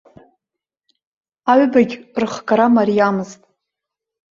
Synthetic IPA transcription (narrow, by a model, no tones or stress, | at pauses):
aɥbaɡʲrɨχkʼaɾamarijamɨztʼ